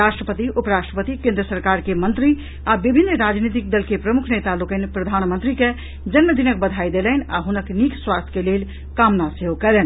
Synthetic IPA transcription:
ɾaʃʈɾəpət̪iʔupəɾaʃʈɾəpət̪ikẽnd̪ɾəsəɾkaɾkemənt̪ɾi | abibʱinːɾad͡ʒnit̪ik̚d̪əlkepɾəmukʰnet̪alokənpɾəd̪ʱanmənt̪ɾike | d͡ʒənməd̪inək̚bəd̪ʱajd̪eləna̰ɦunəknikswast̪ʰkelel | kamnaseɦokɛlɛn

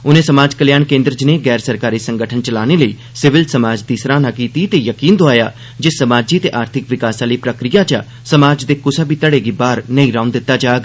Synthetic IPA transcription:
ʊnẽːsəmaːd͡ʒkəljaːnkẽːnd̪ɾəd͡ʒneːɡɛːɾsəɾkaːɾiːsəŋɡəʈʰənt͡ʃəlaːneːləiː | sɪʋɪlsəmaːd͡ʒd̪iːsɾaːnaːkiːt̪iːt̪eːjəkiːnd̪oaːjaː | d͡ʒeːsəmaːd͡ʒiːt̪eːʔaːɾt̪ʰɪkʋɪkaːsãːləiːpɾəkɾijaːt͡ʃa | səmaːd͡ʒd̪eːkʊsaːbiːt̪əɽeːɡiːbaːɾnəĩːɾaːʊnd̪ɪt̪ːaːd͡ʒaːɡ

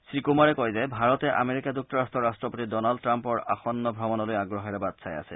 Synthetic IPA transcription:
sɹikumaɹɛkɔjzɛbʱaɹɔt̪ɛʔa̰meɹikaduk̚tɔɹastɔɹastɹɔpot̪idɔnald̚tɹampɔɹa̰xɔnːɔbʱɹɔmɔnɔlojaɡɹoɦɛɹɛbad̪sʰaja̰sʰɛ̰

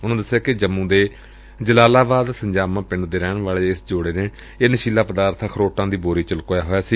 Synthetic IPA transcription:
ʊnõːd̪əsːeaːkɪd͡ʒəmːũːd̪eː | d͡ʒəlaːlaːbaːd̪səɲd͡ʒaːmãːpɪɳɖd̪eːɾɛːɳʋaːɭeːɪsd͡ʒoːɽeːneː | eːnəʃiːlaːpəd̪aːɾt̪ʰkʰəɾoːʈãːd̪iːboːɾiːt͡ʃəlkoːjaːɦoːjaːsiː

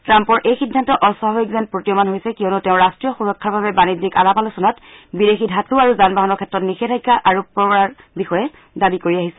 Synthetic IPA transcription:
tɹampɔɹʔejxidʱːantɔʔɔsɔɦɔikzɛnpɹotijɔmanɦojsɛkijɔnutɛʊ̃ɹastɹijɔxuɹɔkʰːaɹbʱabɛbanidika̰lapalɔsɔnat | bidexidʱatuaɹuzanbaɦanɔɹkʰɛtɹɔtnixɛtʰajkːaʔaɹupɹɔbɹaɹ | bixɔjɛ | dabikoɹiaɦisɛ̥

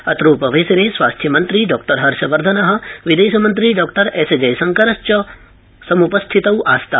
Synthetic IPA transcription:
ɐt̪ɾuːpɐʋeːsɐneːsʋaːst̪ʰjɐmɐnt̪ɾiːɖɔːk̚ʈɐɾɦɐɾʃɐʋɐɾd̪ʱɐnɐɦɐ̆ʋid̪eːʃɐmɐnt̪ɾiːɖɔːk̚ʈɐɾeːsed͡ʒɐjsɐŋkɐɾɐst͡ʃɐ | sɐmupɐst̪ʰit̪ɐwʔaːst̪a

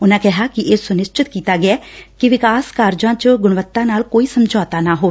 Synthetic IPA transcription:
ʊnãːkɛɦaːkɪʔeːsʊnɪst͡ʃɪt̪kiːt̪aːɡɪaːkɪʋɪkaːskaːɾd͡ʒãːt͡ʃɡʊɳ̃ʋət̪ːãːnaːlkoːiːsəmd͡ʒɔːt̪aːnaːɦoː

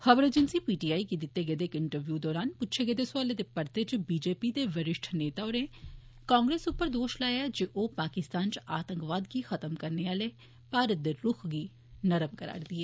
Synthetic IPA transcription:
həʋəɾeːd͡ʒənsiːpiːʈiːaːikiːd̪ɪt̪ːeːɡeːd̪eːkɪɳʈəɾʋjuːd̪ɔːɾaːnpʊtːʃʰeːɡeːd̪eːsaːleːd̪eːpəɾt̪eːt͡ʃbiːd͡ʒeːpiːd̪eːʋəɾɪʃʈʰneːt̪aːoneː | kãːŋɡɾeːsʊpːəɾd̪oːʃlaːjaːd͡ʒeʔoːpaːkɪst̪aːnt͡ʃaːt̪əŋkʋaːd̪ɡiːxʰət̪əmkəɾneːaːleː | paːɾət̪̚d̪eːɾʊkʰɡiː | nəɾəmkəɾa̰ːɾd̪iːɛː

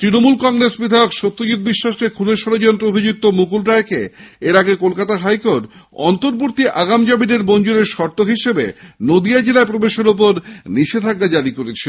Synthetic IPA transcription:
t̪ɾinomulkɔŋɾesbid̪ʱajokʃot̪ːod͡ʑud̪̚biʃːaʃkekʰuleɾʃɔɾod͡ʑɔnt̪ɾoobʱid͡ʑuk̚t̪omukulʈaekeeɾaɡekolkat̪aɦajkoʈɔ̰nt̪oɾboɾt̪iʔaɡamd͡ʑabid̪eɾbond͡ʑoɾeɾʃɔɾt̪oɦiʃebḛnod̪iad͡ʑelaepɾobeʃeɾop̬oɾniʃet̪ʰak̚ːad͡ʑaɾikoɾet͡ɕʰi

